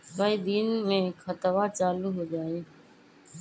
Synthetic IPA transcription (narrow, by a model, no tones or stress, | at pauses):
saːiːd̪iːnmẽːkʰət̪əʋaːt͡ʃaːluːɦoːd͡ʒaːeː